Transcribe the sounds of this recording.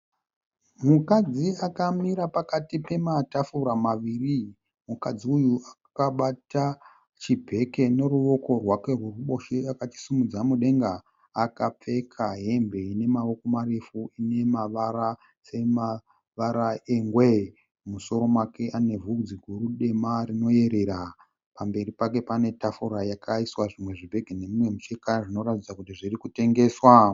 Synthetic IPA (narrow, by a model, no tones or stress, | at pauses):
mukad͡ziakamiɾapakatipe̞matafuɾamaʋiːri | mukad͡ziujua | kaɓata | t͡ʃibʱe̞ke̞ne̞ruʋo̞ko̞rwake̞rwuruɓo̞ʃeakat͡ʃi̥simud͡zamuɗe̞ŋɡaː | kap͡fe̞kʰaɦe̞mbe̞ine̞mao̞ko̞marefuine̞maʋaɾa | se̞ma | ʋaɾaeŋɡwe | muso̞ɾo̞mwake̞ʔane̞vud͡ziɡʱuɾuɗe̞marino̞je̞ɾe̞ɾa | pambe̞ɾipak̬e̞pane̞tafuɾajakʰaiswaʐimwe̞ʐibʱe̞ɡʱene̞mimwe̞mut͡ʃekaʐino̞ɾatid͡zakutiʐirikute̞ŋɡe̞ːswa